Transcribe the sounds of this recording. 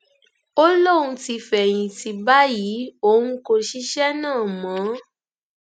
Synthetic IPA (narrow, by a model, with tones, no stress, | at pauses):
o˦lo˦˨ɾũ˧ti˧fɛ˨j̃ĩ˨ti˧ba˦ji˨˦o˦nũ˦ko˧ʃi˦ʃɛ˦nãː˦˨mã˨˦